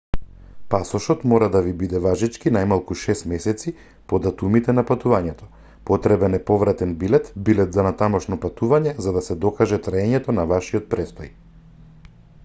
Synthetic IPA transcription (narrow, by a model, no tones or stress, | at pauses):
pasɔʃɔt̪mɔɾad̪avibid̪ɛvaʒit͡ʃkinajmalˠkuʃɛst̪mɛsɛt̪si | pɔd̪at̪umit̪ɛnapat̪uvaɲɛt̪ɔ̥ | pɔt̪ɾɛbɛnɛpɔvɾat̪ɛnbilɛt̪bilɛt̪zanat̪amɔʃnɔpat̪uvaɲɛzad̪asɛd̪ɔkaʒɛt̪ɾaɛɲɛt̪ɔnavaʃiɔt̪̚pɾɛst̪ɔj